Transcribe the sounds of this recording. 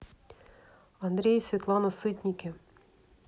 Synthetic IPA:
ɐnd̪ɾʲejsʲvʲɪt̪lˠɑnɐsɨt̪ʲnʲikʲɪ

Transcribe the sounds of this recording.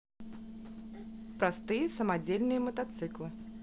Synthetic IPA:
pɾast̪ɨjəsəmad͡zʲelʲnɨjəmət̪at̪sɨklˠɨ

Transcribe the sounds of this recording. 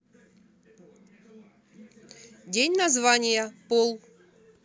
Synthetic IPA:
dʲenʲnɐzvanʲɪjəpolˠ

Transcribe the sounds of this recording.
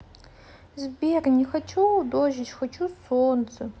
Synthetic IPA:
zbeːrnixɐt͡ʃʰudoːʒɪt͡ʃxɐt͡ʃʰusoːnt͡sʰɨ

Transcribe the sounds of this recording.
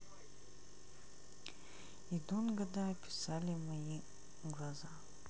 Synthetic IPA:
id̪unɡəd̪aɐpʲɪ̥salʲɪmɐi | ɡlˠɐza

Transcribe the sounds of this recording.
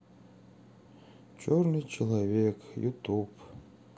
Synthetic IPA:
t͡ʃʰornɨt͡ʃʰəlˠavʲekjṵt̪ʰup

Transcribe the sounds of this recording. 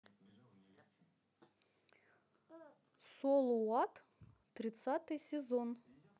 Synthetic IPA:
solˠuwɑt̪ | t̪ɾʲɪt̪sat̪ɨjsʲezon

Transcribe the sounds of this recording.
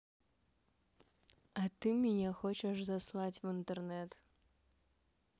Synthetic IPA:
ɐt̪ɨmʲinʲɛxɔt͡ʃɛʂzaslˠat͡sʲwɨnt̪ɛrnɛt̪

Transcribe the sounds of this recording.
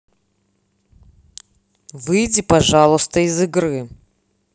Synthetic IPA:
vɨjdʲipɐʐalˠʊst̪əizɨɡɾɨ

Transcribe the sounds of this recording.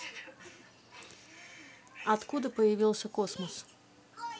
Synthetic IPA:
ɐt̪kud̪ɪpɔjɐʋʲilˠsʲɐkɔsmɔs

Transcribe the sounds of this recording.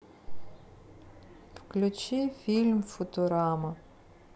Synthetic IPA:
fklʲut͡ʃifʲilʲmfɔt̪oɾamɐ

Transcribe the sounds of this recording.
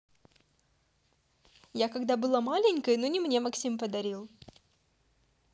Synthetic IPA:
jakɐɡd̪abɨlˠamalʲɪnʲkəjnonʲɪmnʲe̞mɐksʲimpəd̪ɐɾʲilˠ

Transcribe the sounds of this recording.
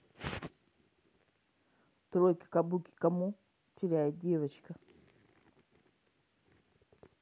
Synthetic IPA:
tuɾoki̥kabuki̥kamu | tiɾadiɾat͡ʃi̥ka

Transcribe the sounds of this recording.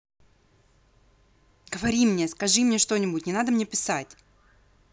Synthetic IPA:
ɡ̥əvɐɾʲimnʲeskɐʐɨmnʲe̞ʂt̪o̞nʲɪbʊtʲnʲɪnad̪əmnʲe̞pʲɪsatʲ

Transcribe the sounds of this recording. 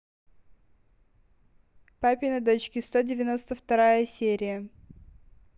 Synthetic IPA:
papʲɪnɐd̪o̞t͡ɕkʲɪst̪odʲɪvʲɪno̞st̪əft̪ɐɾajəsʲeɾʲɪjə

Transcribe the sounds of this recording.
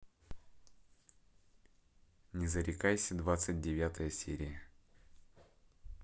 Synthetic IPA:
nʲɪzəɾʲɪkajsʲəd̪vat̪sɨt̚ʲdʲɪvʲat̪əjəsʲeɾʲɪjə

